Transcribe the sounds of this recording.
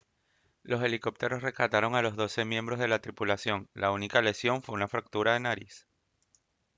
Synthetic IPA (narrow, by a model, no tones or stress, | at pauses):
lose̞liko̞p̚t̪e̞ɾo̞sre̞skat̪aɾo̞ŋalo̞zðo̞se̞mjẽ̞mbɾo̞zð̞e̞lat̪ɾipulasjo̞ŋlaunikale̞sjo̞ɱfweunafɾak̚t̪uɾaðe̞naɾis